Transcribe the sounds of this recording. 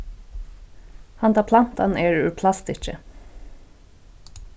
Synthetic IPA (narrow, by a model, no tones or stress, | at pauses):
hɑnt̪ʰɑpʰlɑnt̪ɑ̰neːɹʉːpʰlɑst̪ɪt͡ʃə̰